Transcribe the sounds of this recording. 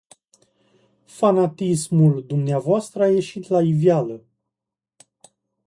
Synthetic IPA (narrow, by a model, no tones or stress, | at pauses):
fanat̪ismuld̪umneavoast̪ɾəaje̞ʃit̪laivjalə